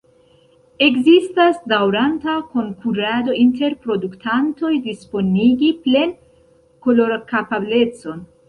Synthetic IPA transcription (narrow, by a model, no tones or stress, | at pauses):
e̞kzistasdawɾantako̞ŋkʰuɾado̞ʔinte̞ɾpɾo̞duktʰanto̞jdispo̞niɡiple̞n | ko̞lo̞ɾkapable̞t͡so̞n